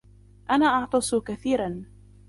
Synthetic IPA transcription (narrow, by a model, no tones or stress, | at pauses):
ʔanaːʔɑʕt̪ˤɑsˤʊkaθiːɾan